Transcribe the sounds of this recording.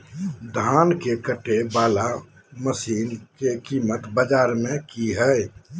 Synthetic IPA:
d̪ʱaːnkekəʈʰːebaːla | məsiːnkekiːmət̪bəd͡ʒaːɾmẽkiɦəj

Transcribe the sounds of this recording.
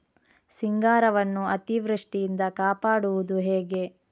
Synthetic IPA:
siŋɡaːɾɐʋɐnːuɐt̪iʋɾɐʂʈijind̪ɐkaːpaːɽuʋud̪uɦeːɡe̞

